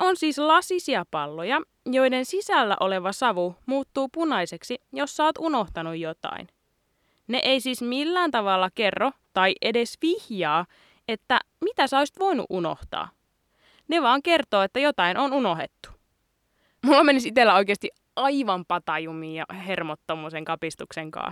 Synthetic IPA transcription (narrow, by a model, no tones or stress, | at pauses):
ʔonsiːslɑsisiɑpɑlːojɑ | jo̞jdensisælːæ̰ʔo̞leʋɑsɑʋumuːt̪ːuːpunɑjse̞ksijo̞sːæoːt̪uno̞ht̪ɑnujjo̞t̪ɑ̰in | nḛʔeisiːsmilːæːnt̪ɑʋɑlːɑke̞rːot̪ɑiʔede̞sʋihjɑː | et̪ːæ̰ | mit̪æsoisi̥t̪ʋo̞inṵʔuno̰ht̪ɑ̰ː | neʋɑːŋke̞rt̪oːet̪ːæjot̪ɑinʔonuno̞ɦḛt̪ːu̥ | mulːɑmenisit̪elːæoikeːst̪i | ɑiʋɑmpɑt̪ɑjumiːjjɑ̰hermot̪ːomuːseŋkɑpist̪ukseŋkɑ̰ːs